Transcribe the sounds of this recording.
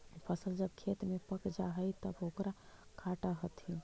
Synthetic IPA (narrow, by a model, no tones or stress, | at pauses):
pʰəsəld͡ʒəbkʰet̪mepəkd͡ʒaɦəjt̪əbokɾakʰaʈaɦət̪i